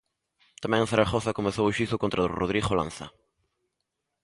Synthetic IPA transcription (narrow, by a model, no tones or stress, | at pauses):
t̪amɛ̃ŋθaɾaxoθakomeθowʃiθʊkont̪ɾaðʊ̰roð̞ɾixolã̰nθa̰